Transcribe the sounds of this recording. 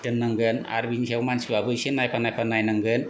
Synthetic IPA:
tɯnːaŋɡɯna̰ɾbinsʰewmansibabɯjsinːajpʰanajpʰanajnaŋɡɯn

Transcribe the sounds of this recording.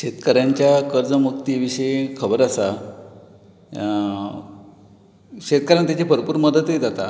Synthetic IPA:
ɕet̪kəɾjaɲt͡ɕjakəɾd͡zəmuk̚t̪iʋiɕəekʰəbəɾasa | ɕet̪̚kəɾjant̪jat͡ɕepəɾpuːɾməd̪ət̪jed͡zat̪a

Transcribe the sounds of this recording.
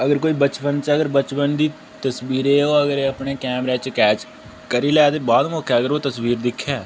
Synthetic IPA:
əɡəɾkoːiːbət͡ʃpənt͡ʃəɡəɾbət͡ʃpənd̪iː | t̪əsbiːɾeːoːəɡəɾeəpɳeːkɛːmɾɛːt͡ʃkɛːt͡ʃ | kəɾiːlɛːt̪eːbaːd̪moːkɛːəɡəɾoːt̪əsʋiːɾd̪ɪkʰːaː

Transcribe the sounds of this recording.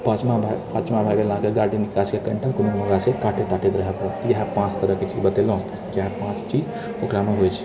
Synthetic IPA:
pət͡ʃmabʱapat͡ʃmabʱajbelãkeɡaɽinikaskekəɳʈʰakuminməɡasẽkaʈʰet̪aʈʰet̪ɾəɦɛpət̪jəɦãpãt͡ʃt̪əɾəɦket͡ʃid͡ʒbət̪elõt̪kaɦãpãt͡ʃt͡ʃid͡ʒ | okɾameɦojt͡ʃʰi̥

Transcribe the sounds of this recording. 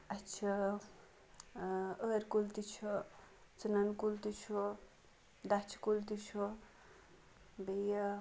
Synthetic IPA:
ɐt͡ʃʰɐ | əɾkult̪it͡ʃʰu | t͡sunɐnkult̪it͡ʃʰu | d̪at͡ʃʰi̥kult̪it͡ʃʰu | beja

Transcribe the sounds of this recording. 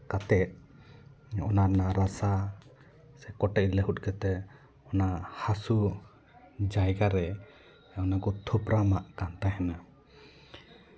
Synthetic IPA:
kat̪ɛʔ̚ | ɔnaɾnaɾasa | sɛkɔʈɛʔilɛɦut̪̚ˀkɛt̪ɛ | ɔnahasu | d͡ʒajɡaɾɛ | ɔnakɔt̪ʰɔpɾamaʔkant̪ajɦɛna

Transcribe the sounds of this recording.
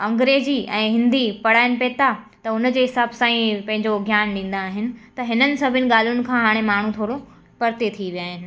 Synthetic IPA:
ɐ̃ŋɡɾeːziʔɛ̃ːɦɪ̃nd̪ipɐɽ̤aːɪnɪ̆peːt̪a | t̪ɐʊnə̆d͡ʑeːɦɪsaːbsãːĩpɐ̃ɦɪ̃ɲd͡ʑoɡʱjaːnɗĩːn̆d̪aːɦɪnɪ̆t̪ɐɦɪnənɪ̆sɐbʱɪnɪ̆ɠaːl̤ijʊnɪ̆kʰãːɦaːɽ̃emaːɳ̤ũt̪ʰoːɽo | pɐɾt̪et̪ʰiʋijaːɦɪnɪ̆

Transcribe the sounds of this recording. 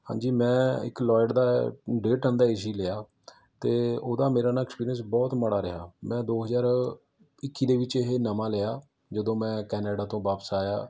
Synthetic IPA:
hã̰ːɲd͡ʒiːmɛ̃ːɪ̰klɔːɪɖd̪aːɖeːʈənd̪aːɪs̬iːleːaː | t̪eːoːd̪aːmeːɾaːnaːɛkspiːɾiəns̬bɔːt̪məɽaːɾəɦa̰ːmɛ̃ːd̪oːɦəzaːɾ | ɪkːiːd̪eːʋɪt͡ʃeɦeːnəmãːleːaː | d͡ʒəd̪õːmɛ̃ːkɛːneːɖaːt̪õːʋaːpəsaːja̰ː

